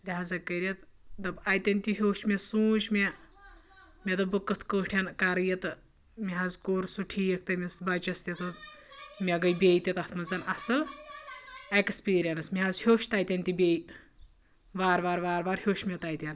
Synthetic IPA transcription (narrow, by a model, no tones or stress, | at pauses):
lʲiɦaːzɐkɐɾʲet̪d̪ɐbajt̪ʲɐnʲt̪ʲuɦʲoːʃmʲesuːt͡ʃme | mʲet̪ɨbɨkːət̪ʰkəːʈʰʲjɐnkaɾɨjɐt̪ɨ | miɦazkoːɾsuʈʰiːjɐk̚ʰt̪ɐmʲesbɐt͡ʃɐst̪ʲit̪ɨt̪mʲeɡɐjbʲejt̪ʲit̪ɐt̪ʰmɐzɐnɐsɨl | ekspiːɾʲɐnɐsmiɦazhʲoːʃt̪aːjt̪ʲɐnʲt̪ʲibʲej | ʋaːɾʋaːɾʋaːɾʋaːɾhʲoːʃmʲet̪aːjt̪ʲɐn